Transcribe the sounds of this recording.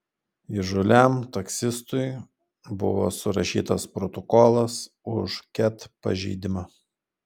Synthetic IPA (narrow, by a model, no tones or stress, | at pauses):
ɪʒʊlʲæmt̪ɐksʲɪst̪ʊj | bʊʋo̰ːsʊɾɐʃʲḭːt̪ɐspɾɔt̪ɔkoːlˠɐs | ʊʃkʲɛt̪pɐ̰ʒʲɛɪd̪ʲɪmɐ